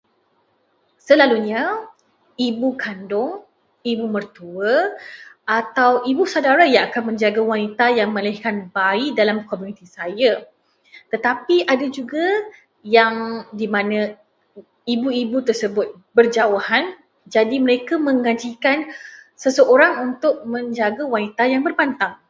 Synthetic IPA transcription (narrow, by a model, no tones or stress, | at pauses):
səlaluɲa | ibukʰandʊŋ | ibumərt̪uə | ʔat̪awibusadaɾajaŋakanmə̃ɲd͡ʒaɡawanit̪ajaŋmə̃alɪhkanbaidalamkomjũnit̪isaja | t̪ət̪apiʔadad͡ʒuɡa | jaŋdimãnə̃ | ibuibut̪ərsəbʊt̪̚ | bərd͡ʒawahan | d͡ʒadiməɾekamə̃ŋɡaɲt͡ʃikansəsəʔoɾaŋunt̪ʊk̚mə̃ɲd͡ʒaɡawanit̪ajaŋbərpant̪aŋ